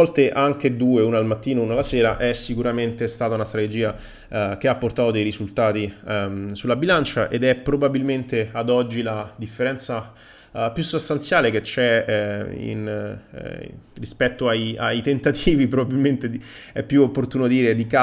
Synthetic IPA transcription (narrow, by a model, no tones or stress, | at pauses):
ɔlt̪eʔaŋk̟ed̪uːeuːnaːlmat̪ːiːnounalasɛːɾaʔɛsikuɾament̪est̪aːt̪aunast̪ɾat̪ed͡ʒiːa | k̟eapːort̪aːt̪od̪ejɾizult̪aːt̪isulːabilant͡ʃaʔḛd̪ɛpɾobabilment̪ead̪ɔd͡ʒːilad̪ifːeɾɛnt̪sa | pjusːost̪ant̪sjaːleket͡ʃːɛ | ḭn | rispɛt̪ːoaja̰jt̪ent̪at̪ʰiːvipɾobabilment̪ei | ɛ̰pːjuopːort̪uːnod̪iːɾed̪ika